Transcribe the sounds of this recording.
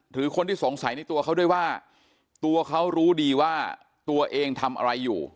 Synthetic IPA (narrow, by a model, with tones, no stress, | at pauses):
ɾʰɯː˩˦kʰo˧nt̪ʰiː˥˩so˩˦ŋsa˩˦jna˧jt̪u˧ɐkʰa˦˥wdu˥˩əjwaː˥˩ | t̪u˧ɐkʰa˦˥wɾuː˦˥diː˧waː˥˩ | t̪u˧ɐʔeː˧ŋt̪ʰa˧mʔa̰˧ɾa˧jːṵː˨˩